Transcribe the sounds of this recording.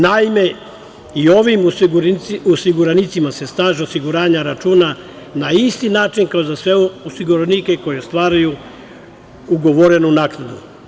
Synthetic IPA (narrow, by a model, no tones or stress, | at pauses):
naime̞ | io̞ʋim | osiɡuɾanit̪simase̞st̪aːʒeosiɡuɾaːɲaɾat͡ʃuːna | naist̪inaːt͡ʃinkaozasʋeosiɡuɾanike̞ko̞jest̪ʋaːɾaju | uɡoʋoɾe̞nunaːknad̪u